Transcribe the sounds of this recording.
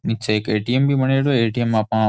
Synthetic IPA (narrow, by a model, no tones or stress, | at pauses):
nit͡ʃʰːaekeːʈiembimɐneːɽoeːʈiemːapã